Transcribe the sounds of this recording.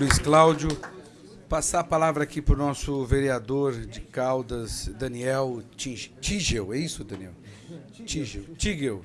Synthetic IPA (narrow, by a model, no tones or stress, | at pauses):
luisklawd͡ʒjʊ | pasaɐpalavɾɐakipɾʊnɔsʊveɾiad̪oɾd͡ʒɪkawd̪ɐzd̪ɐniɛwt͡ʃĩʒt͡ʃĩʒewɛisʊd̪ɐ̃niɛ̰w | t͡ʃiʒewt͡ʃiɡew